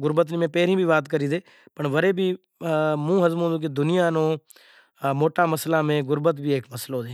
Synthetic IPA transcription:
ɡʊɾbət̪̬niːmẽːpɛːɾĩːbʱiːʋaːt̪kəɾiːd̪eː | pəɳʋəɾeːbʱiː | mũːɦəzmõːd̪ũːk̬ed̪ʊnɪjaːnõː | moːʈaːməslaːmẽɡʊɾbət̪̬bʱiːeːkməslɦod͡ʒẽ

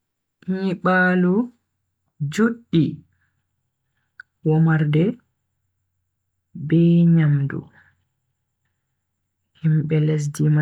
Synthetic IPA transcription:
ʔɲiɓaːlu | d͡ʒoɗːi | wɔmaɾdɛ | bɛɲamdṵ | himɓɛlɛs̬dima

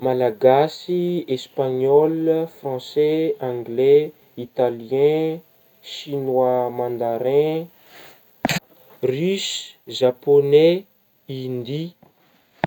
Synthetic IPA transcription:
malaɡasiespaɲɔlfrɑ̃sɛãŋɡlɛ | it̪aljɛ̃ | ʃinwamãnd̪aɾɛ̃ | rysʒaponɛ | ind̪i

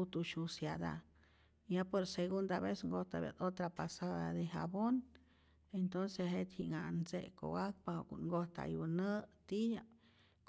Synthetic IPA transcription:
ut̪uʃusjad̪a̰ | japoɾseɣund̪aβesŋɡoht̪abja̰t̪ot̪ɾapasad̪ad̪eɦabon | ent̪onseɦet̪hiʔŋanzḛʔko̰ɡak̚paokuŋɡoht̪a̰junət̪ija | k

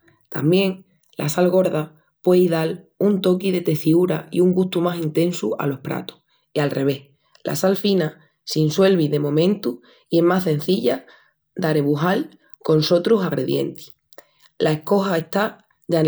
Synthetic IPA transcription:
t̪ambjẽ̞ŋ | la̰salɣ̞o̞ɾða | pwe̞iðalunt̪o̞kiðe̞t̪e̞θiuɾa̰ḭuŋɡuht̪umasint̪ẽ̞nsua̰lo̞hpɾa̰t̪u̥h | ialre̞βe̞h | lʔa̰salfina | sinswe̞lβ̞iðe̞mõ̞mẽ̞nt̪u | ie̞ɦmasẽ̞n̟θiʎa | d̪aɾe̞βuɦal | ko̞nso̞t̪ɾusaɣɾe̞ðje̞̰nt̪i̥ | lʔaehko̞hae̞ht̪a | ʝa

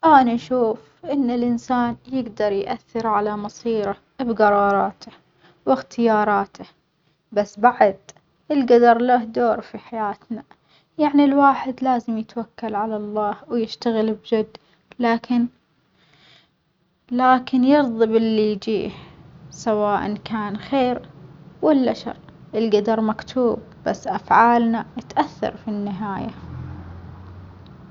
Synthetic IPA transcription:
ʔaːnaʃuːf | ʔɪnːɪlʔɪnsaːnjɪɡd̪ɑɾˤjʔaθːɪɾʕalamɑsˤiːɾa | bɡɑɾˤɑːɾˤɑːt̪ʰḁ | wɪxt̪ʰɪjɑːɾˤɑːt̪ʰa | basːbaʕad̪ | ʔɪlɡad̪ɑɾˤlahd̪oːɾfiħajaːt̪na | jaʕnilwaːħɪd̪laːzɪmjɪt̪wakːalʕalalˤːɑːhwjɪʃt̪aɣɪlbd͡ʒʊd̪ː | laːkʰɪn | laːkɪnjɨɾðˤɨbɪlːijd͡ʒḭːhsawaːʔa̰nkaːnxeːɾwɪlːaʃɑ̰ɾˤ | ʔɪlɡad̪ɑɾˤmakt̪ʰuːb̚ | b̥asːʔafʕaːlnaɪt̪ʔaθːɑ̰ɾˤfinːɪɦaːja̰

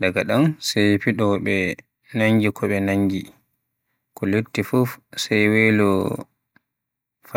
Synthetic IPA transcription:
ɗaɡaɗansɛjfiɗɔɓɛ | naŋɡikʰɔɓɛnaɲɡi | kɔlotːifufsɛjwelɔ | fa

